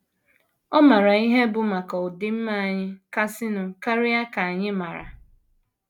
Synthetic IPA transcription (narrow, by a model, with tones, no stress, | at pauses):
ɔ˦ma˨ɾa˨i˦ɦe˦bʊ˨ma˨kɔ˨ʊ˨dɪ˦m̩˦ma˦˨ɲɪ˦ka˦sɪ˦nʊ˨ka˦ɾɪ˦a˦ka˨a˨ɲɪ˦ma˨ɾa̰˨